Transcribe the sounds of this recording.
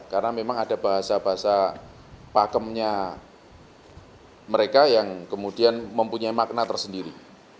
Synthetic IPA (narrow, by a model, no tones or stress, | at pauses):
karənamemaŋada̤b̥aɦasabaɦasa | pakəmɲa | məɾekajaŋkəmudianməmpuɲaimak̚nat̪ərsəndiɾḭ